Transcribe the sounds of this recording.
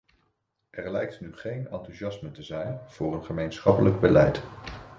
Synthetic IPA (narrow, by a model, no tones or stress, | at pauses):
ʔɛɹlɛjk̚tnyχejnɑntyʒɑsmətəzɛjnv̥ʊːrənχəmejnsχɑpələɡ̚bəlɛjt